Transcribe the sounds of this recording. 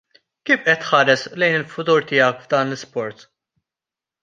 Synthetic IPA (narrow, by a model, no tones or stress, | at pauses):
kiːfʔɛt̪ːħɐːɾɛslɛjnɪlfʊt̪uːɾt̪ɪːɐkvd̪ɐːnlɪspɔɾt̪